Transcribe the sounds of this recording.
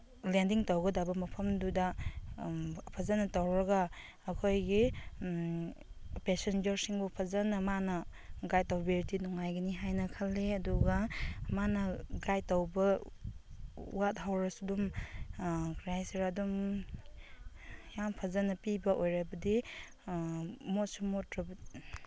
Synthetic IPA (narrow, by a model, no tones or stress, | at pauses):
lendiŋtawɡɐdabɐmɐpʰɐmdudɐ | pʰɐzɐnɐtawɾɐɡaː | kʰojɡi | pesend͡ʒɐɾsiŋbupʰɐzɐnɐmanɐɡajtawbeɾtinɔŋajɡɐniɦajnɐkʰalːeɐduɡɐmanɐɡajtawbɐ | ṵwat̚hawɾasudum | kɾajsiɾadum | jampʰazanɐpibɐʔojɾabɐdi | mɔsumɔtɾɐb